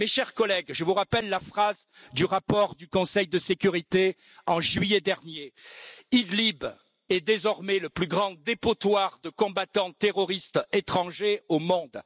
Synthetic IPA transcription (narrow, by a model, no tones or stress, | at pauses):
meʃɛʁkɔlɛɡʒəvuʁapɛlːafχaz | d̪yʁapɔʁd̪ykɔ̃sɛjd̪əsekʲyʁit̪e | ɑ̃ʒɥijɛd̪ɛʁnjeid̪lib | ɛd̪ezɔʁmɛləplyɡʁɑ̃d̪epot̪waʁd̪əkɔ̃bat̪ɑ̃t̪eʁɔʁist̪et̪χɑ̃ʒeomɔ̃d̪